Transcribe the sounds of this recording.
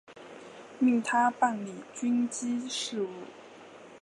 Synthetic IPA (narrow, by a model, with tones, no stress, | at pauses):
mi˥˩ŋt̪ʰa˥pa˥˩nli˨˩t͡ɕy˥nt͡ɕi˥ʂɻ̩˥˧u˥˩